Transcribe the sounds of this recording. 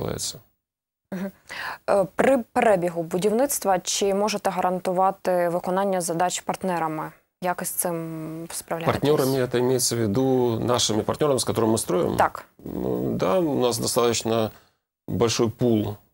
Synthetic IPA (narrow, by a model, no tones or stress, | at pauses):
la̰jɪ̰t̪sə | m̩ɦ̩ | pɾɪpeɾɛbʲiɦʊbʊdʲiwnɪt̪st̪ʋɐt͡ʃɪmɔʒet̪ɛɦɐɾɐnt̪ʊʋɑt̪ɪʋɪkɔnɑnʲːɐzɐd̪ɑt͡ʃpɐrt̪nɛɾɐmɪ | jakɪsʲt̪sɪmspɾɐwlʲapɐrt̪ʲnʲoɾɐmʲɪɛt̪əɪmʲejɪt̪səvʲɪd̪unaʂɨmʲɪpɐrt̪ʲnʲo̞ɾəmʲɪskɐt̪oɾɨmɨst̪ɾojɪ̰mt̪ɑk | d̪aʊ̰nas̬d̪ɐst̪at̪ət͡ɕnə | bɐlʲʂɔjpulˠ